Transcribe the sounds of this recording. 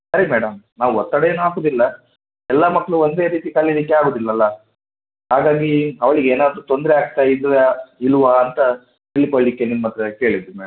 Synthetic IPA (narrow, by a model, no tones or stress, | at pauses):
sɐɾimɛːɽɐmnaːʋuɔt̪ːɐɽejeːnuaːkoːd̪ilːɐ | ɛlːɐmɐkːɐɭuond̪e̞ːɾiːt̪ikɐlːid̪ikːeaːɡoːd̪ilːɐlːɐ | ɦaːɡaːɡiɐʋɐɭiɡeːnaːd̪ɾut̪o̞nd̪ɾɛaːɡ̚t̪aːjid̪uʋeiluʋɐɐnt̪ɐ | t̪iɭːikoɭːikːenimːɐt̪ɾɐke̞ːɭid̪ɾumɛːɽɐm